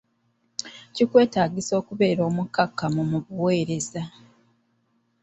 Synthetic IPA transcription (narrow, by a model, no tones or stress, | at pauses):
cikwe̞ːtaːɟiso̞ːkuβe̞ːɾo̞ːmukːakːamumuβuwe̞ːɾe̞za